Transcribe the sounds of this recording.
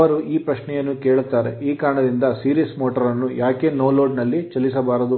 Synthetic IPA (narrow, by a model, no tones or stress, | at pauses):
ʋɐɾuiːpɾɐʃɳɛjɐnːuke̞ːɭut̪ːaːɾeiːkaːɾɐɳɐd̪ind̪ɐsiːɾiːsmoːʈɐɾɐnːujaːke̞ːnoːloːɖnɐlːit͡ʃɐlːisɐbaːɾɐd̪u